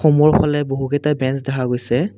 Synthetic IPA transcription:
omɔɹpʰalɛboɦukɛtabɛnsdɛɦaɡojsɛ

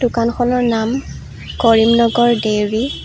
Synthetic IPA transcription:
dukanxʰɔnɔɹnam | kɔɹimnɔɡɔɹdewɹi

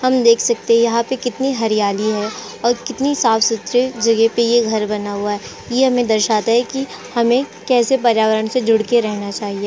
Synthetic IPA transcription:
hɐmd̪eːkʰsɐk̚t̪ẽɦɛ̃jɐɦãpekɪt̪niɦɐɾijaːliɦɛ | ɔːɾkɪt̪nisaːfsʊt̪ɾəd͡ʒɐɡɛpejeɡʱɐɾbɐnaɦuaɦɛ | jeɦɐmẽd̪ɐɾʃaːt̪aɦɛki | hɐmẽkɛːsep̬ɐɾjaːʋəɾəɳsed͡ʒʱʊɽkeɾɛɦnat͡ʃaːɦieː

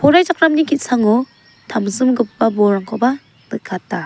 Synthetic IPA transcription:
pʰɔɾajd͡ʒak̚ɾamnikʰit̚saŋɔ | tʰamzɯmɡɯpːabɔɾaŋkʰɔba | dɯkʰːatːa

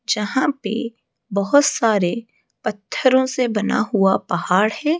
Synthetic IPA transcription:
d͡ʒɐɦãpḛ | bɐɦʊt̪saːɾe | pɐt̪ʰːəɾõsebɐna̰ɦʊapɐɦaːɽɦɛː

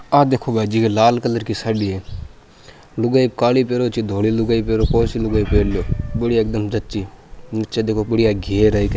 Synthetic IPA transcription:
aːd̪eːkʰoːbʱaːd͡ʒiːkelaːlkələɾkisaɖiːeː | lʊɡaːikaːlipeːɾoːt͡ʃid̪ʱoːlilʊɡaːipeːɾoːpɔːsilʊɡaːipeːɽjoːbəɽiɐk̚d̪əmsɐtːt͡ʃiːnɪtːt͡ʃad̪eːkʰoːbəɽiaɡʱeːɾaik

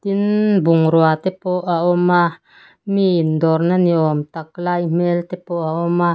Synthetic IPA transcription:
t̪inbuŋɾwat̪epoʔaʔɔma | mind̪ɔɾnaniomt̪ak̚lajm̥elt̪epoʔaoma

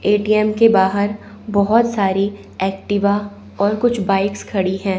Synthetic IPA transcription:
eːʈiːɛmkebaːɦəɾ | bɔɦɔt̪saːɾi | ɛːk̚ʈɪʋa | ɔːɾkʊt͡ʃʰbaːɪkskʰɐɽiɦɛ̃ː

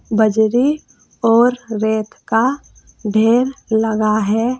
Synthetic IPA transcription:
bəd͡ʒɾi | ɔːɾːeːt̪ʰka | ɖʱeːɾləɡaɦɛː

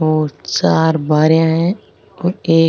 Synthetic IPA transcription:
oːt͡ʃaːɾbaːɾijãɦɛ̃ | oːeː

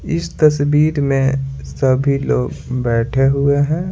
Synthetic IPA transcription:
ɪst̪ɐsbiːɾmẽsɐbʱiloːɡbɛːʈʰeɦʊeɦɛ̃ː

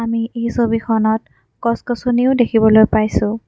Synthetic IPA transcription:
amiejsobikʰɔnɔt̚ | kɔskɔsuniʊdekʰibɔlojpajsʊ̃

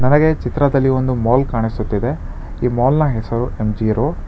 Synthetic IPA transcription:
nɐnɐɡe̞t͡ʃit̪ɾɐd̪ɐlːio̞nd̪umoːlkaːɳisut̪ːid̪e̞ | iːmɔːlnɐɦesɐɾuemd͡ʒiːɾo

